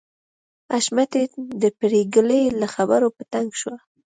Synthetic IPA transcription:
aʃmat̪ed̪əpɽeɡələjlaxabaɾopət̪aŋɡʃwa

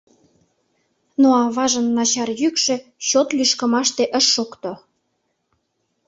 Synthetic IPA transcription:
noɑβɑʒə̆nːɑt͡ɕɑrjykʃĕɕot̪lyʃkə̆mɑʃt̪eʔə̆ʃːokt̪o

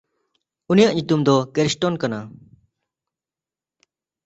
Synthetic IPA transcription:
unijaʔɲut̪umd̪ɔkɛɾsʈɔnkana

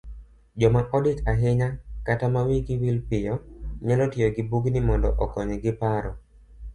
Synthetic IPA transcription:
d͡ʒɔmaʔɔdɪkaɦɪɲakatamawiɡɪwilpɪjɔɲalɔtɪjɔɡɪbuɡnimɔndɔ̰ʔɔkɔɲeɡɪpaɾɔ

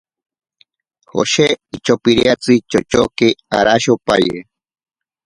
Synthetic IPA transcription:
ho̰ʃeit͡ʃopiɾiat͡sɨt͡ʃot͡ʃokea̰ɾaʃopajḛ

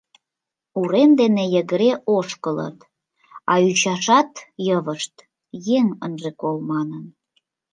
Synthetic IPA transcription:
uɾemd̪enejəɣəɾeʔoʃkələ̰t̪ | ɑyt͡ɕɑʃɑt̪jəβəʃt̪ | jeŋə̰nʒekolmɑnən

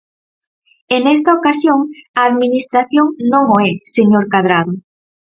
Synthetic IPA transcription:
enɛst̪aokasjoŋaːðminist̪ɾaθjoŋnõŋoɛseɲoɾkað̞ɾaðʊ

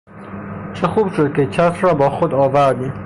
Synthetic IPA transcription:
t͡ʃʰexuːbʃod̪̚kʲʰet͡ʃʰæt̪ɾɒːbɒːxod̪ɒːvæɾd̪iːm

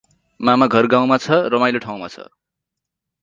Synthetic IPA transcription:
mamaɡʱʌrɡaw̃mat͡sʰʌrʌmajloʈʰaw̃ma̰t͡sʰʌ̰

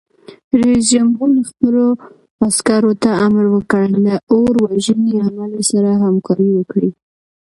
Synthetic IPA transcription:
ɾezd͡ʒamɦuɾləxpəlo | askaɾot̪aamaɾwəkəɽlaoɾwaʒəneamalesaɾaɦamkɑɾiwəkɽi

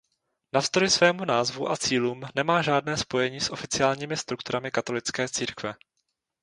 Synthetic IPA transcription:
nafst̪ojɪsvɛːmunaːzvuʔat͡siːluːmnɛmaːʒaːdnɛːspo̞jɛɲiːsʔo̞fɪt͡sɪaːlɲiːmɪst̪ɾukt̪uɾamɪkat̪o̞lɪt͡skɛːt͡siːɾkvɛ

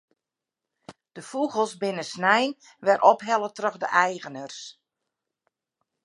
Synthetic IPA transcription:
d̥əfuɣəlˠsbɪnəsnɛjn | ʋɛrʔɔpɦɛlˠətrøɣdə̰ʔɛjɣənərs

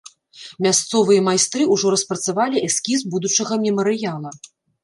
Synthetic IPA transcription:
mʲast̪sɔvɨjɐmajst̪ɾɨuʐɔɾɐspɾɐt̪savalʲiʔɛskʲizbud̪ut͡ʂɐɣɐmʲimɐɾɨjalˠɐ

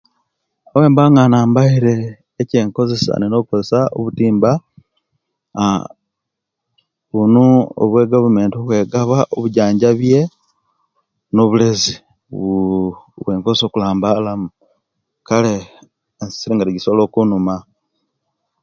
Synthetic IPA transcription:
owe̞ːmbaŋanaːmbaiɾe̞ː | ce̞ːŋko̞ze̞sa̰nino̞βukoze̞sao̰βutiːmba | βunuo̰βwe̞ɡaβume̞ːntioβwe̞ːɡaβaʔoβuɟaːɲɟaβje̞ | no̞βulezi | βwe̞ːŋkozeso̞ːkulaːmbalamu | kaleː | nsi̥siɾiŋɡaɾiɟisolo̞ːkunuma

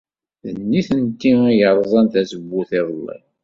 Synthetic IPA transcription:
ðənːiθənt̪ːijəɾˤðˤɑnt̪æsəbːuθɪðˤəlːḭ

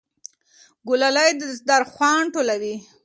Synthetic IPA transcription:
ɡʊlalajd̪əsd̪aɾxwɑɳʈolawi

